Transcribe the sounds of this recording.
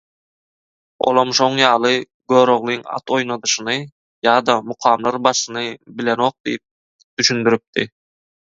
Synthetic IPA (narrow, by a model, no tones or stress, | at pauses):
o̰lˠomʃoɴjɑːlˠɯ | ɡøːɾo̞ʁlˠiŋɑ̰t̪o̞jnɑd̪ɯʃɯnɯ | jɑːd̪ɑmuqʰɑːmlˠɑɾbɑʃɯnɯbilʲeno̞ːq̚d̪̥ḭjip̚ | d̪̥yʃynd̪yɾyp̚t̪i